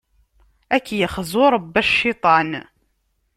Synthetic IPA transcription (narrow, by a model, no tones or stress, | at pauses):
ækːjəχzʊɾˤəbːæʃʃɪt̪ˤɑn